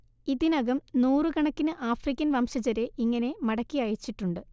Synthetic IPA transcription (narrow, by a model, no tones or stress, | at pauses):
iðinɐɡɐmnuːrɨkɐɳɐkːinɨʔaːfrikʲːɐnʋɐmɕɐd͡ʑɐɾe̞ʔiŋːɐne̞mɐɽɐkːiɐjit͡ɕːiʈːuɳɖɨ